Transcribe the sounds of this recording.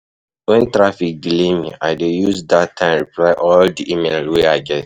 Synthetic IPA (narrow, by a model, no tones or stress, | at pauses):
wɛ̃ntɹafik̚ɡlĩmĩa̰ɪdejusdattʰːãɪ̃ɹiplaɪʔɔldiʔimelweaɪɡɛt